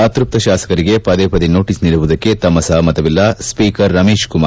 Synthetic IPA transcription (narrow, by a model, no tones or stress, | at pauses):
at̪ɾup̚t̪ɐʃaːsɐ̥kɐɾiɡe̞pɐd̪eːpɐd̪ino̞ːʈisniɭuʋud̪ɐkːe̞t̪ɐmːɐsɐɦɐmɐt̪ɐʋilːɐspiːkɐɾːɐmeːʃkuma